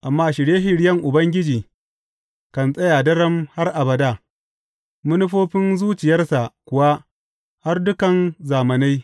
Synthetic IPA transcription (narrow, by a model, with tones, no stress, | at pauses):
ʔa˨mːaː˦ʃɪ˨ɽjeː˦ʃɪ˨ɽjɐ˦ŋʔʊ˨bɐ˦ŋɡʲɪ˦d͡ʒiː˨ | kɐ˨nsʼɐ˦jaː˨dɐ˦ɽɐ˦mha˦rʔa˨bɐ˨daː˦˨ | mʊ˦nʊ˦ɸoː˦ɸɪ˦nzuː˦t͡ʃɪ˨jɐ˦rsa˨ʔkʷʊ˨wa˦ | ha˦rdʊ˦kɐ˨nzaː˨mɐ˨na˦j